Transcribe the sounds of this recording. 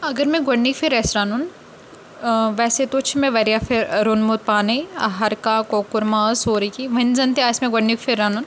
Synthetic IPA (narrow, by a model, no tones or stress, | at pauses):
ɐɡəɾmẽɡɐɳːikfʰiɾɛːsɾaːnun | ʋɛːset̪ot͡ʃʰimẽʋɐɾjafʰɪɾɾonmot̪̚paːneɐ̰ɦɐɾkaːkoːkʊɾmaːsɦoːɾɐkiʋɐnzɐnt̪ʰeaːsmẽɡɐɳːikfʰɪɾːaːnun